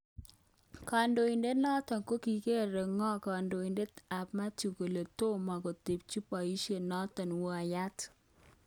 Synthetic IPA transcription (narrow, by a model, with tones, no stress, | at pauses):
ka˨ndo˨i˨nde˦nɔ˦tɔ˨nko˦ki˨ke˦˨ɾe˨ŋɔ˦ka˨ndo˨i˨nde˦ta˨pma˦tu˨ko˨le˨to˦ma˨kɔ˨te˨p̚t͡ʃi˦pɔ˨i˦ʃe˨nɔ˦tɔ˨nwo˦a˨ja˦t